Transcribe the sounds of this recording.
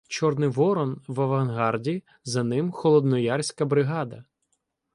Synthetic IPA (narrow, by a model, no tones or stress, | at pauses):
t͡ʃɔrnɪjʋɔɾɔnʋɐʋɐnɦɑrdʲi | zɐnɪmxɔlˠɔd̪nɔjɑrsʲkɐbɾɪɦɑd̪ɐ